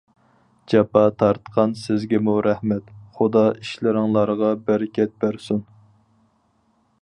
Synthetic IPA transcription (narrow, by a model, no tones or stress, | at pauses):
d͡ʒɑpɑt̪ʰɑɾt̪qʰɑnsɪzɡʲɛmuɾɛhmɛt̪χʊd̪ɑʔiʃlɪɾɪŋlˠɑɾʁɑbæɾɪkʲʰɛt̪̚bæɾsun